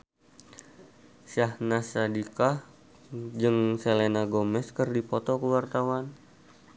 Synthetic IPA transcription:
sahnasadika | d͡ʒɨŋselenaɡomɛskərdipɔt̪ɔkəwart̪awan

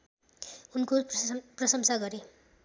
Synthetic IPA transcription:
unkoprʌsʌmsaɡʌɾe

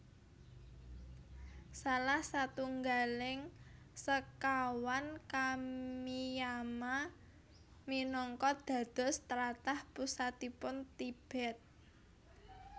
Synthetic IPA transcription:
salahsat̪uŋɡalɪŋ | səkawankamijama | minɔŋkɔd̪̥a̤d̪̥ɔ̤st̪əɾat̪ahpusat̪̚ipʊnt̪ib̥ɛ̤t̪̚

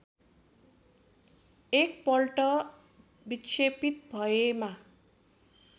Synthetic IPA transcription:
ek̚pʌlʈʌ | bit͡sʰepit̪̚bʱʌema

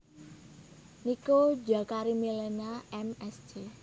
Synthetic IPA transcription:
nikod͡ʒakaɾimilenaɛmɛsd͡ʒe

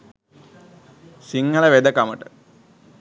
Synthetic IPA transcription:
siŋɡələʋed̪əkaməʈə

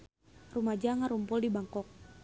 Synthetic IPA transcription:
rumad͡ʒaŋaɾumpʊldibaŋkɔk̚

